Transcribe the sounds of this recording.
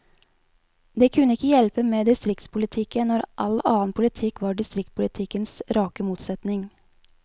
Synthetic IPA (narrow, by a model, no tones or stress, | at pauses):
d̪eːkʰʉnːəɪkːəjɛlpəmeːd̪ɪst̪ɾɪk̚t̪spʊlɪt̪ʰɪkənnːɔɾʔɑlɑːənpʰʊlɪt̪ʰɪkːʋɑːɖɪst̪ɾɪk̚t̪̚pʰʊlɪt̪ʰɪkənsɾɑːkəmuːt̪sɛt̪nɪŋ